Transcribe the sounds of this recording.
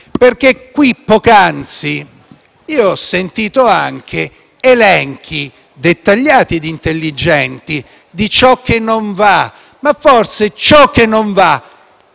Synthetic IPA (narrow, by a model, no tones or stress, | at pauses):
perk̟ekːwipːokant̪si | iːoɔsːent̪iːt̪oaŋk̟ʰe | elɛŋk̟ʰi | d̪et̪ːaʎːaːt̪id̪int̪elːid͡ʒɛnt̪i | d̪it͡ʃɔk̟ːenːoɱva | mafːorset͡ʃɔk̟ːenːoɱva